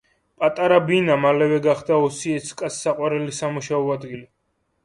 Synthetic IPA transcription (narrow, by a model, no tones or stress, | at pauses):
pʼat̪ʼaɾabinamalɛvɛɡaχd̪aɔsiɛt̪sʰkʼasːaqʼwaɾɛlisamuʃaɔad̪ɡili